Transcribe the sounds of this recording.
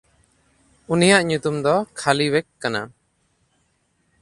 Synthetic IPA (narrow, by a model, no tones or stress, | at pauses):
unijaʔɲut̪umd̪ɔkʰaliwɛkːana̰